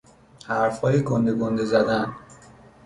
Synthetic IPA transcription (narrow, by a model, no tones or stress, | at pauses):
hæɾfhɒːjekʰond̪eɡond̪ezæd̪æn